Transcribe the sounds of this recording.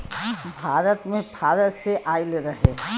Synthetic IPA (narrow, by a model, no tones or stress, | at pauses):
bʱaːɾət̪mẽbʱaːɾət̪seʔaːɪlɾɐɦe